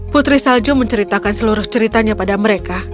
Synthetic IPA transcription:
put̪ɾisald͡ʒʊməɲt͡ʃəɾit̪akansəluɾʊht͡ʃəɾit̪aɲapadaməɾeka

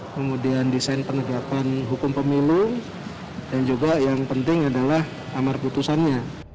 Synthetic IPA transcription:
kəmudiandisaɪnpənəɡapanɦukʊmpəmilu | dand͡ʒuɡajaŋpənt̪ɪŋadalah | amarput̪usanɲa

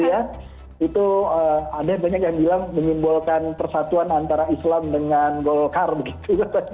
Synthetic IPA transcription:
ja | it̪uəadahbaɲak̬̚jaŋbilaŋːəɲimbulkanpərsat̪uanant̪aɾaislamdəŋanɡolkarbəɡit̪ukapa

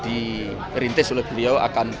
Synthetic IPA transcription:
d̪̥i | ɾint̪ɪsulɪhb̥ilioa̰kan

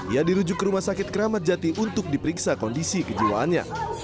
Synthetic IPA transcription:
ijadiɾud͡ʒʊkːəɾumasakɪt̪̚kəɾamat̪̚d͡ʒat̪iʔunt̪ʊk̚dipəɾiksakɔndisikəd͡ʒiwaʔanɲa̰

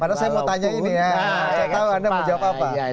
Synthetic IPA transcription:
padasajamawt̪aɲainijaaat̪auadamad͡ʒawap̚apa

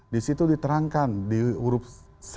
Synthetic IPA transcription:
disit̪udit̪əɾaŋkandiuɾʊp̚ | s

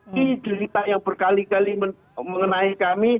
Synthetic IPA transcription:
id͡ʒəɾit̪ajaŋb̥ərkalikalimə | məŋənaikami

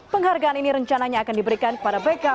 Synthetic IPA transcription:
pəŋɦarɡaːniniɾəɲt͡ʃanaɲaːkandibəɾikankə̥padabeka

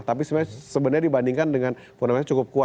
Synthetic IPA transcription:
t̪ap̬isəmasəbənəɲadibandiŋkandəŋan | fonomɲat͡ʃukʊp̚kua

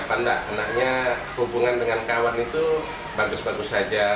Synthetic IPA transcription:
panda̰ʔanak̚ɲa | hubuŋandəŋankawanit̪u | baɡʊsbaɡʊsad͡ʒa

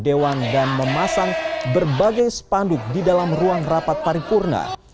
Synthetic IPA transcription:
dewandanməmasaŋbərbaɡajsə̥pandʊk̚didalamruaŋrapat̪̚paɾikurna̰

